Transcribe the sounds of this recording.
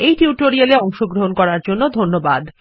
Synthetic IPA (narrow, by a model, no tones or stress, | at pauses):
ejʈiuʈoɾialeɔŋʃoɡɾoɦonkɔɾaɾd͡ʑonːod̪ʱonːobad̪